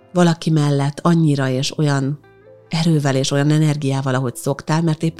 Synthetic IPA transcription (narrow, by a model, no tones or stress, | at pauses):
vɒlɒkimɛlːɛt̪ʰːɒɲːiɾɒeːʃo̞jɒn | ɛɾøːvɛleːʃo̞jɒnɛnɛrɡijaːvɒlɒɦo̞cso̞kt̪aːlmɛrt̪eːpː